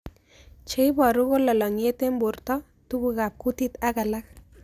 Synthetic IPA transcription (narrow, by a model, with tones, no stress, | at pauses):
t͡ʃe˦jbɔ˨ɾʊ˦ko˦lɔ˨lɔ˨ŋje˦t̪e˦mbʊ˨rt̪ɔ˦ | t̪u˦ku˨ka˨p̚ku˦t̪i˦t̪a˦ka˨la˦k̚